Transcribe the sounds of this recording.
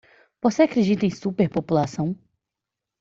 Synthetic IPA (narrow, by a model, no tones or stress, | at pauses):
voseakɾed͡ʒit̪ẽj̃supeɾpopulasɐ̃w̃